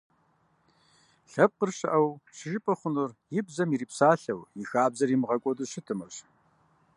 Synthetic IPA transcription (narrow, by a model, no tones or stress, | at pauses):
ɬɐp̚qərɕɐʔɐwɕɪʒɪpʼɐχʷʊnɨrjɪbzɐmiɾiːpsaːɬɐwjixaːbzɐrimʁɐkʷʼɔdɨɕɪtʰɨmɐɕ